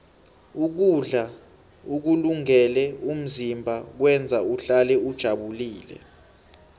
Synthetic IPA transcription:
uk̬uɮa | uk̬uluŋɛlɛum̩zimbʱak̬wɛnd͡zʱauɬalɛud̥ʒ̥ʱaɓuliːlɛ̰

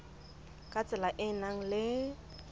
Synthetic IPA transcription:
kʼat͡sʼɪlaʔɪnaŋ̩lɪ

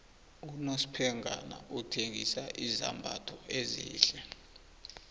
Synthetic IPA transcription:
unosi̥pʰɛŋʱana̰ʔutʰeŋɡisaʔizambʱatʰɔʔeziːɬɛ

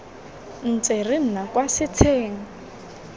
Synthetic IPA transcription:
n̩t͡serin̩nakwasɪt͡sʰeːŋa

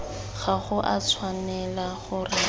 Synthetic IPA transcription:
ɣaχʊʔat͡sʰwanɛlaχʊrɪ

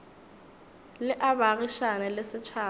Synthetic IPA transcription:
lɪʔabaɣiʃanɛlɪsɪt͡ʃʰaː

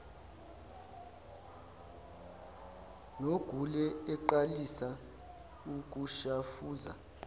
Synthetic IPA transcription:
noɡ̥ʱulɛɛǃalisa | uk̬ʼuʃafuːza̰

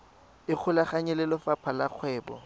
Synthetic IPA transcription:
ɪk͡xʰʊlaχaɲɛlɪlɔfapʰalak͡xʰwɛːbɔ

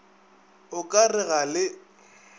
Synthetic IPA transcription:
ʊkʼarɪɣalɪ

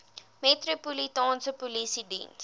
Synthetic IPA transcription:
metropolitɑ̃ːnsəpolisidḭns

